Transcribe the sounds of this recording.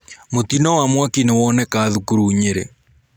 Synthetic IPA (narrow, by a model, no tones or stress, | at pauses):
mot̪inɔwamwakinewɔnɛkaːðukuɾuɲeɾḛ